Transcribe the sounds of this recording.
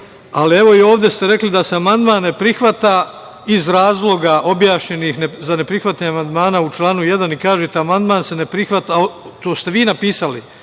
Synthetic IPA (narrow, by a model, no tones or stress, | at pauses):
alieʋo̞io̞ːʋd̪jest̪eɾe̞klid̪aseamand̪maːnːe̞pɾixʋat̪a | izɾaːzlˠo̞ɡaʔo̞bjaːʃɲe̞nixnezane̞pɾixʋat̪aɲamand̪maːnaut͡ʃlˠaːnuje̞d̪anikaːʒeːt̪eamand̪maːnse̞ne̞pɾixʋat̪aot̪oːst̪e̞ʋiːnapiːsalḭ